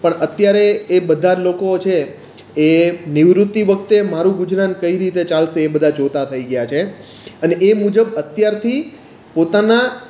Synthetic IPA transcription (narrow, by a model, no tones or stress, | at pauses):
pəɳət̪jaɾeːbəd̪ʱalokot͡ʃʰeː | niʋɾut̪ːiʋək̚t̪emaɾũɡud͡ʒɾankəiɾit̪et͡ʃalʃeːbəd̪ʱad͡ʒot̪at̪ʰəiɡəjat͡ʃʰe | əneʔemud͡ʒəbət̪jaɾt̪ʰi | pot̪ana